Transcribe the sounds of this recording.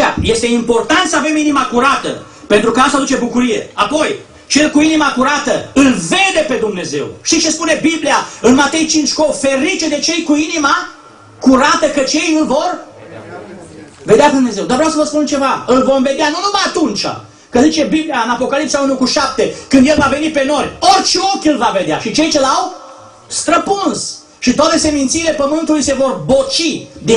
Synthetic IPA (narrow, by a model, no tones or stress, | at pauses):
aje̞st̪e̞impo̞rt̪ant̪səave̞minimakuɾat̪ə̰ | pe̞nt̪ɾukəast̪ad̪ut͡ʃe̞bukuɾije̞̰apo̞j | t͡ʃe̞lkuinimakuɾat̪əɨlve̞d̪e̞pe̞d̪umne̞ze̞̰wʃt̪it͡ʃe̞spune̞bibliaɨnmat̪e̞jt͡ʃint͡ʃkofe̞ɾit͡ʃed̪e̞t͡ʃe̞jkuinima | kuɾat̪əkət͡ʃe̞jɨlvo̞r | ve̞d̪eaped̪umne̞zewd̪aɾvɾjawsəvəspunt͡ʃe̞vaɨlvo̞mve̞d̪eanunumajat̪unt͡ʃa̰ | kəzit͡ʃe̞biblijaɨnapo̞kalipsaunukuʃap̚t̪e̞kɨnd̪je̞lvave̞nipe̞no̞rʲo̞rʲt͡ʃeokʲɨlvave̞d̪ea̰ʃit͡ʃe̞jt͡ʃelaw | st̪ɾəpuns | ʃit̪oat̪e̞se̞mint̪siːle̞pəmɨnt̪ulujse̞vo̞rbo̞t͡ʃid̪i